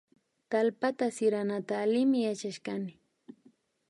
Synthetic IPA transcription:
t̪alpat̪asɪɾanat̪aːlɪmɪjat͡ʃaʃkanɪ

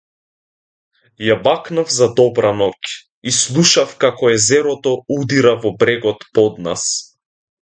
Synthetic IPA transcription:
jabaknavzad̪ɔbɾanɔk | islˠuʃafkakɔɛzɛɾɔt̪ɔud̪iɾavɔbɾɛɡɔt̪pɔd̪̚na̰s

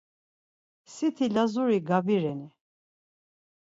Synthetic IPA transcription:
sit̪ʰilazuɾiɡabiɾɛni

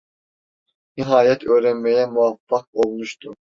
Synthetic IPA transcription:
niɦaːjɛt̪ʰøːɾɛnmɛjɛmuafːak̚olˠmuʃt̪ʰu

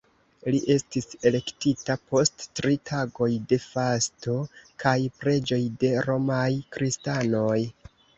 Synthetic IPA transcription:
liʔe̞stise̞le̞ktitapo̞stːɾitʰaɡo̞jde̞fasto̞kajpɾe̞d͡ʒo̞jde̞ɾo̞majkɾistano̞j

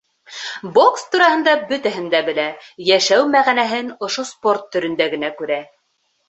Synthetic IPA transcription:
bokst̪uɾɑhɤ̆nd̪ɑbɵ̆t̪æɦɘ̆nd̪æbɘ̆læjæʃæwmæʁænæɦɘnŏʃosport̪ːɵ̆ɾɵ̆nd̪æɡɘ̆nækʉɾæ

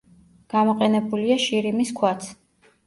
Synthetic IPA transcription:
ɡ̥amɔqʼɛnɛbuliaʃiɾimiskʰwat̪sʰ

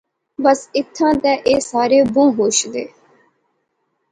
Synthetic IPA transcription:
bəsɪt̪ʰːãːd̪ɛːʔeːsaːɾeːbũːɦoːʃd̪eː

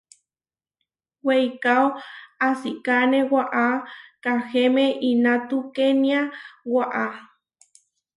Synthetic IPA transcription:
wejkawasikanewaʔakaxemeʔinat̪ukeniawaʔa

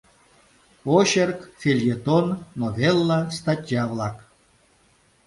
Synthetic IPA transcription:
oɕerkfʲelʲjet̪onːovʲelˠːast̪at̪ʲjavlˠak

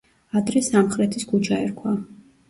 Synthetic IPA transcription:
ad̪ɾɛsamχɾɛt̪ʰiskʰut͡ʃʰaɛɾkʰwa

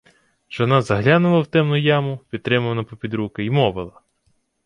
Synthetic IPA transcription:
ʒ̥ɔnɑzɐɦlʲanʊlˠɐwt̪ɛmnʊjɑmʊpʲid̪̚t̪ɾɪmɐʋɐnɐpɔpʲid̪ɾukɪimɔʋɪlˠɐ

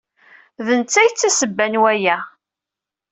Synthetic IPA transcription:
ðənt͡sːæjt͡sːæsəbːænwæjæ

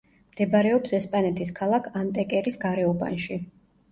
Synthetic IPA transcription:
md̪̥ɛbaɾɛɔpsɛspʼanɛt̪ʰiskʰalˠakʰant̪ʼɛkʼɛɾisɡaɾɛɔba̰nʃi

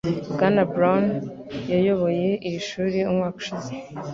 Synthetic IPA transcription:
bɡanabɾan | jajo̞βo̞je̞ʔijiʃuːɾiumŋaːku̥ʃize

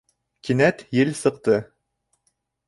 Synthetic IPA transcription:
kinæt̪jɘlsɤ̆q̚t̪ɤ

